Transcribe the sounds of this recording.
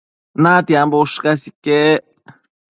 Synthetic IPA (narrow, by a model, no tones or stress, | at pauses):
nat̪iamboʃkasikeʔeʔ